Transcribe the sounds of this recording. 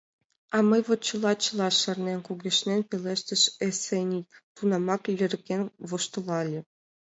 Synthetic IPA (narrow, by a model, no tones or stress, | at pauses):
ɑmɤjβŏt̪̚t͡ɕɤ̆lˠɑt͡ɕɤ̆lˠɑʃɤ̆rnʲenʲkuɡʲĕʃnʲenʲpʲelʲeʃt̪ɘ̆ʃesʲenʲit̪unɑmɑklʲɘ̆rʲkʲenʲʋŏʃt̪ɤ̆lˠɑlʲɘ̆